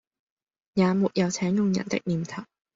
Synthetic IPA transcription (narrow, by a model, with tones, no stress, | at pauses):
jaː˨˧muː˨t̚jɐ˨˧wt͡sʰɛː˨˥ŋjʊ˨ŋjɐ̰˨˩nt̪ɪ̰˥k̚niː˨˩mt̪ʰɐ˨˩w̚